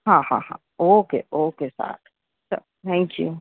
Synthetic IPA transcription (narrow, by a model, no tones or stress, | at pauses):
hãhã̰hã̰ | okḛʔoːkesa̰ʈ | sa | t̪ʰɛ̃ŋkjṵ